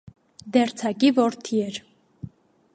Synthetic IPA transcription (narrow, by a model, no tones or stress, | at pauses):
d̪ɛɾt͡sʰɑkivɔɾt̪ʰiɛɾ